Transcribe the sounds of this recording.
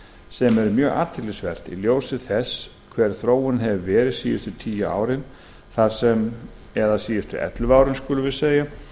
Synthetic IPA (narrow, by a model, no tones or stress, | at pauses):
sɛmɛɾʏmjœːɣa̰ːt̪ʰɪlɪsvɛr̥t̪ḭljoːwsɪðθɛs | kʰvɛɾ̥θɾoːwʏnɦɛvvɛːɾɪðsiːjɪst̪ʏt̪ʰiːjaa̰ːwɾɪn | θḁsɛm | ɛðasiːjɪst̪ʏ̰ʔɛ̰t̪lvaːwɾɪnskʏlʏvɪðseːja